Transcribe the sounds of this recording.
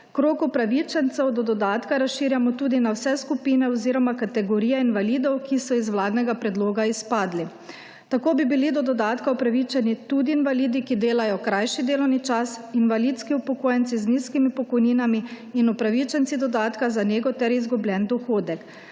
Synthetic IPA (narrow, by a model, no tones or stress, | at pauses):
kɾoːkupɾaʋit͡ʃɛnt̪sɛwd̪ɔd̪ɔd̪aːt̪kaɾasʃiːɾjamɔt̪uːd̪inawsɛskupiːnɛɔziːɾɔmakat̪ɛɡɔɾiːjɛinʋaliːd̪ɔwkisɔizʋlaːd̪nɛɡapɾɛd̪loːɡaispaːd̪li | t̪akoːbibilid̪ɔd̪ɔd̪aːt̪kaɔpɾaʋit͡ʃɛnit̪uːd̪iːnʋaliːd̪ikid̪eːlajɔkɾajʃid̪eːlɔwnit͡ʃasinʋalit̪skiupɔkoːjɛnt̪sizniskimipɔkɔjniːnamiː | nɔpɾaʋit͡ʃɛnt̪sid̪ɔd̪aːt̪kazaneːɡɔt̪ɛɾizɡublʲɛnd̪ɔxoːd̪ɛk